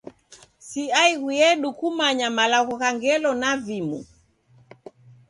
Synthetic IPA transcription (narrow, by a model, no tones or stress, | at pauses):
siaiɣujɛɗukumaɲamalaɣɔkaŋɡɛlɔnavimṵ